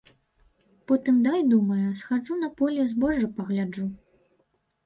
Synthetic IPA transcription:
pɔt̪ɨmd̪ajd̪umɐjɐsxad͡ʐun̪ɐpɔlʲɛzbɔʐɨpɐɣlʲad͡ʐu

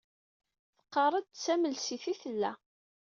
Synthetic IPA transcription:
θə̥qːɑrˤəd̪̚t͡sːæməlsiθiθəlːæ

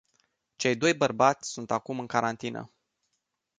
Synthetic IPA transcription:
t͡ʃe̞jd̪o̞jbərbat̪sʲsunt̪akumɨŋkaɾant̪inə̰

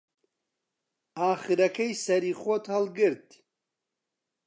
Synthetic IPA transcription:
aːχiɾakʰɐjsɐɾiχɔt̪ʰhalɡɨɾt̪

